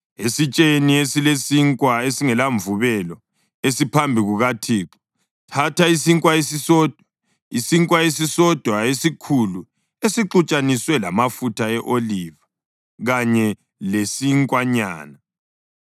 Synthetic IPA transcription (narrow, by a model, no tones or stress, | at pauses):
esit͡ʃʼeniesilesiŋkʼwaesiŋɛlaɱvuβɛlɔ | esipʰambʱiɣuɣatʰiːǁɔ̥ | tʰatʰaisiŋkʼwaesisɔːd̥ʱwa | isiŋkʼwaesisɔd̥ʱwaesikʰulu | esiǃut͡ʃʼaniswɛla̰mafutʰaɛʔoliva | ɣaɲɛ | lesiŋkʼwaɲa̰ːna